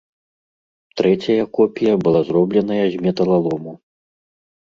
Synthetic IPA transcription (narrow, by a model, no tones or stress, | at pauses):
t̪ɾɛt͡sʲɐjɐkɔpʲijɐbɨlˠazrɔblʲɛn̪ɐjɐzʲmʲɛt̪ɐlˠalˠɔmu